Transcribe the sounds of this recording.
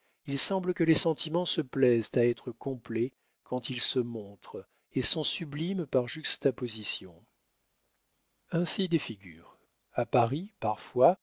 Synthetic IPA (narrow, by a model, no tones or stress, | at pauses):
ilsɑ̃bləkəlesɑ̃t̪ʰimɑ̃səplɛzt̪aɛt̪χəkɔ̃ple | kɑ̃t̪ilsəmɔ̃t̪χ | esɔ̃syblimpaʁʒyst̪apozisjɔ̰̃ | ɛ̃sid̪efiɡʲy̰ːʁ | apaʁipaʁfwa